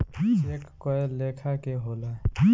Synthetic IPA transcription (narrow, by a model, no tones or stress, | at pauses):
eːkkɔeleːkʰakeɦoːla